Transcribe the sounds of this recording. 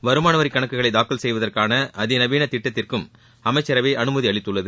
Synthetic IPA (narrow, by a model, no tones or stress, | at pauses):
ʋɐɾɯmaːnɐʋɐɾɪkːɐɳɐkːɯɣɐɭɐɪd̪aːkːɐlsɛjʋɐðɐrkaːnɐʔɐðɪnɐʋiːnɐt̪ɪʈːɐt̪ːɪrkɯm | ɐmɐɪt͡ʃːɐɾɐʋeɪʔɐnɯmɐðiɐɭɪt̪ːɯɭːɐðɯ